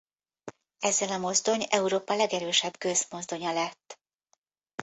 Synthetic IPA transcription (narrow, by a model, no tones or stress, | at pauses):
ɛzːɛlɒmo̞zd̪o̞ɲɛuɾoːpɒlɛɡɛɾøːʃɛbɡøzmo̞zd̪o̞ɲɒlɛt̪ː